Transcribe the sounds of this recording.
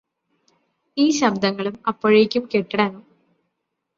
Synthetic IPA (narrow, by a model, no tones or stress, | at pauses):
iːɕɐb̚d̪ɐŋːɐɭumɐpːoɻijekʲːumkeʈːiɽɐnːu